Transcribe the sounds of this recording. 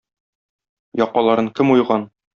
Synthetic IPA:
jɒqːɑlˠɑɾɤŋkɘmujʁɑn

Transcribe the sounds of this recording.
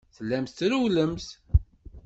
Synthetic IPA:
θəlːæmθɾuwləmθ

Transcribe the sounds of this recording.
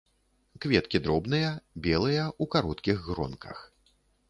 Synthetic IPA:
kvʲɛt̪kʲid̪ɾɔbnɨjɐbʲɛlˠɨjɐukaɾɔt̪kʲiɣɣɾɔ̰nkʰɐ̰x

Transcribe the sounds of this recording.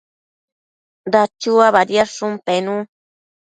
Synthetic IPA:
d̪at͡ʃuaβaɾjaʂumpenũ

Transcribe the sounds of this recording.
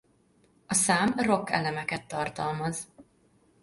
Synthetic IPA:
ɒsaːmro̞kːɛ̰lɛmɛkɛt̪ːɒrt̪ɒlmɒz

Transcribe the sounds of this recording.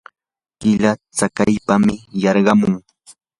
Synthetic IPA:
kɪlat͡sakajpamɪjɑɾɢɑmʊŋ

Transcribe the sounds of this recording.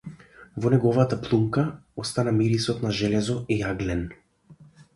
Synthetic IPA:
vɔnɛɡɔvat̪aplˠumkaɔst̪anamiɾisɔt̪naʒɛlɛzɔijaɡlɛn

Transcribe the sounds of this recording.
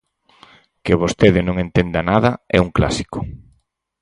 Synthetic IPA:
kɪβost̪eðɪnõŋent̪end̪anaðɐɛuŋkla̰si̥kʊ̥

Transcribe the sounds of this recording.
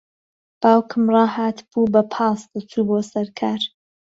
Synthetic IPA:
b̥aːwkʰɨmrɑːhaːt̪b̥uːbɐpʰɑːsd̪ɨt͡sʰuːboːsɐɾkʰaːɾ

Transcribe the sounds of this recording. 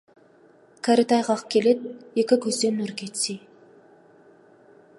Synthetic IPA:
kʰaɾit̪ɑjʁɑqkʲʰelet̪̚ekʲɪkʲʰɵzd̪enːɵɾkʲet̪si

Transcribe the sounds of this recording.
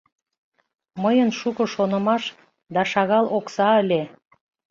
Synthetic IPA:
məjənʃukə̆ʃonə̆mɑʃ | d̪ɑʃɑɣɑlʔoksɑəlʲe

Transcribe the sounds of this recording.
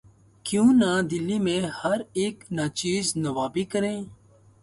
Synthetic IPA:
kjũːnãd̪ɪlːimẽhɐɾeːknat͡ʃiːznɐʋaːbikəɾẽː

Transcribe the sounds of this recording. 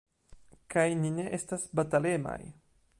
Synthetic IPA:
kajnineʔestasbat̪alema̰j

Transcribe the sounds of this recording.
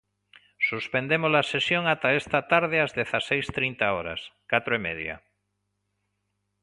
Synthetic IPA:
suspend̪emozlasesjoŋat̪aest̪at̪aɾð̞ɪazðeθasejst̪ɾint̪aoɾa̰skat̪ɾoemḛðja̰

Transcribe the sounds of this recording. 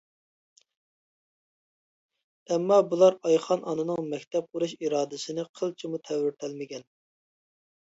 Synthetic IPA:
ɛmːɑbulˠɑɾɑjχɑnɑnɨnɨŋmɛkʲt̪ʰɛp̚quɾuʃiɾɑːd̪ɪsɪnɪqʰəlˠt͡ʃʰimut̪ʰɛwɪɾt̪ʰælmɪɡʲɛn

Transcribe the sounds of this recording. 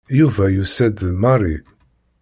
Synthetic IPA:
juvæjusæd̪mɑrˤi

